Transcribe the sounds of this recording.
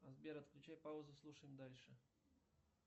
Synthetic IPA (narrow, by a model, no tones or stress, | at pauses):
ɐzbʲeɾɐt̪klʲʉt͡ɕajpaʊzʊslˠuʂəjɪmd̪alʲʂɨ